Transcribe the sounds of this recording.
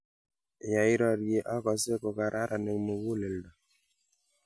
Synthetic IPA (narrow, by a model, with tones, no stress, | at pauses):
ja˨i˦ɾɔ˦ɾje˨ʔa˦kɔ˨se˦kɔ˨ka˨ɾʔa˦ɾʔa˨ne˨mo˨ɡu˦le˨ldɔ˨